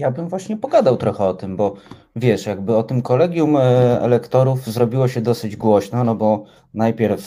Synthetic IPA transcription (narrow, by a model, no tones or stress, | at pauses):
jabɘmvwaɕɲɛpɔɡad̪awt̪ɾɔxɛɔt̪ɘmbɔ | vʲjɛʂjaɡ̚bɘɔt̪ɘmkɔlɛɡʲjumɛ̰lɛkt̪ɔɾufzɾɔbʲiwɔɕɛd̪ɔsɘd͡ʑɡwɔɕnɔnɔbɔ | najpʲjɛɾf